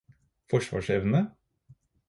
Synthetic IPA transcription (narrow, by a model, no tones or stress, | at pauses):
fɔʂʋɑ̰ːʂɛʋnə